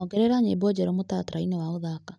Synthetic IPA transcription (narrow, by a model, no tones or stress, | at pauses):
ɔɡɛɾɛɾaɲeibɔd͡ʑɛɾɔmotatɾainɛwaoðaka